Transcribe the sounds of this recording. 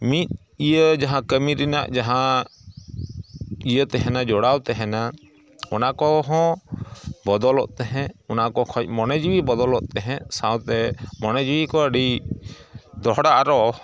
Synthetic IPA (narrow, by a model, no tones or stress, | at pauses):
mit̪̚ | ijəd͡ʒaɦãkəmiɾina̰ʔd͡ʒaɦã | ijət̪ɛɦɛnad͡ʒɔɽawt̪ɛɦɛna | ɔnakɔɦɔ̃ | bɔd̪ɔlɔ̰ʔt̪ɛɦɛ̃ɔnakɔkʰɔc̚ˀmɔnɛd͡ʒiwibɔd̪ɔlɔʔt̪ɛɦɛ̃sãwt̪ɛmɔnɛd͡ʒiwikɔəɖi | d̪ɔɦɽaʔaɾɔ